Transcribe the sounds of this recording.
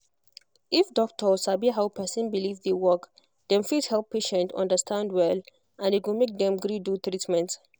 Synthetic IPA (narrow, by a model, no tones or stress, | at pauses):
ifdɔk̚tʰəsabiɦawpʰɛsə̃nbilivðewɔk | d̪ɛ̃mfidhɛlˠpʰːeʃɛ̃ntɔ̰̃ndəstʰãndwɛl | ʔãniwimek̚d̪ɛ̃mɡɹidut̪ɹitmɛ̃nt